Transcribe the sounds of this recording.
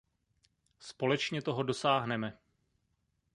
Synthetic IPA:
spo̞lɛt͡ʃɲɛt̪o̞ɦodo̞saːɦnɛmɛ

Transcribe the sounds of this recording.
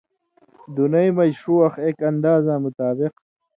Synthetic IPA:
d̪unɐjmɐd͡ʑʂuɐxekɐnd̪aːzamʊt̪aːbɪq

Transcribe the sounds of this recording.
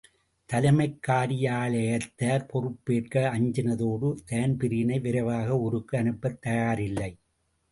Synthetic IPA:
t̪ɐlɐmɐɪkːaːɾɪjaːɭɐjɐt̪ːaːɾpɔrɯpːeːrkɐɐɲd͡ʒɐnɐðoːɽɯt̪eːɐnpɪɾɪjnɐɪʋɪɾɐʋaːɣɐʊɾɯkːɯɐnɯpːɐt̪ːɐjaːɾɪlːɐɪ

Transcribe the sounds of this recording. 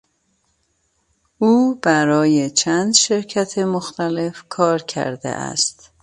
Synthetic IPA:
ʔuːb̥æɾɒːje̞t͡ʃʰænd̪ʃe̞ɾcʰæt̪ʰe̞moxt̪ʰæle̞fkʰɒːɾkʰæ̰ɾd̪ḛʔæ̰st̪

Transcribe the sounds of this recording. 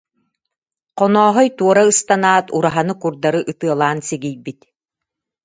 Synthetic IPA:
qɔnɔːɦɔjt̪uɔɾaɯst̪anaːt̪uɾaɦanɯkuɾd̪aɾɯʔɯt̪ɯɐlˠaːnsɛɡijbit̪

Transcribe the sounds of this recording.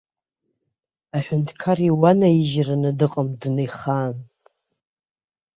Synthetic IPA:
aħʷᶣʊntʰkʰaɾiwanaiʒranɨdɨqʼəmdnɨjχaːn

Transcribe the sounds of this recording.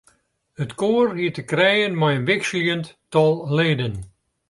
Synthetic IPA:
ətkoːrɦitəkrɛjənmajənʋɪksljənttɔlˠleːdən

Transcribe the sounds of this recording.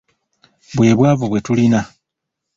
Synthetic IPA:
bwe̞ːβwaːvuβwe̞tulina

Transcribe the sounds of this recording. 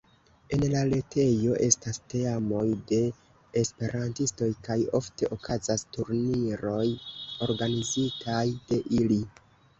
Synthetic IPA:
e̞nlale̞tʰe̞jo̞ʔe̞staste̞amo̞jde̞ː | spe̞ɾʔantisto̞jkajo̞fte̞ʔo̞kʰazastuɾniɾo̞jo̞ɾɡanizitʰajd̥e̞ʔili

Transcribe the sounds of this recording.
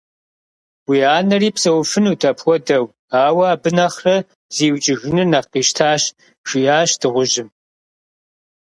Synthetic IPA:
wiːaːnɐriːpsɐwfɨnuːtʰɐpʰwʷɔdɐw | aːwɐaːbɨnɐχrɐ | z̥iːwt͡ʃʼɪɣɨnɨnaqiːʃtʰaːɕ | ʒʷiaːɕdɨʁʷʊʒɪm

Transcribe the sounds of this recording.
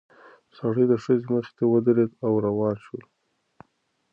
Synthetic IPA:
saɽid̪əʂəzeməxt̪ewəd̪əɾed̪awɾawɑnʃəl

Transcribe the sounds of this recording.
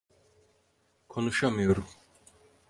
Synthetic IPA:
kʰɔnuʃamijoɾum

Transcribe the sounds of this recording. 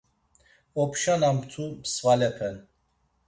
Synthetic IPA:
ɔpʰʃanamt̪ʰubsvalɛpʰɛn

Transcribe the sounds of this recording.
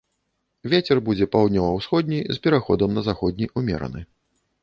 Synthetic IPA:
vʲet͡sʲɛrbud͡zʲɛpawd̪ʲnʲɔvɐwsxɔd̪ʲnʲijzpʲɛɾaxɔd̪ɐmnɐzaxɔd̪̚ʲnʲijumʲɛ̰ɾɐ̰nɨ̰

